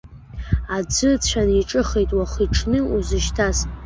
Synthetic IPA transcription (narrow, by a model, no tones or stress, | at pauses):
ad͡zɨt͡ɕʷʰaniʈ͡ʂʼɨχejtʼwaχiʈ͡ʂʰnɨuzɨʃtʰas